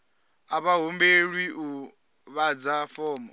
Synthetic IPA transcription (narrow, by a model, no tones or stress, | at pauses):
aβaɦombeɺwiʔu | βad͡zafɔːmɔ